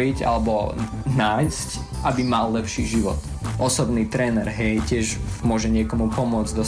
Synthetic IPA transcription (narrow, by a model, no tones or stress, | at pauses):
ɾica̰lɛbɔ | naːjsc | ʔabimalːɛpʃiʒiʋɔ̰t̪ | ʔɔsɔbniːt̪ɾɛːnɛɾɦɛjcɪɛʒmʊɔʒɛɲɪɛkɔmupɔmʊɔd͡zd̪ɔ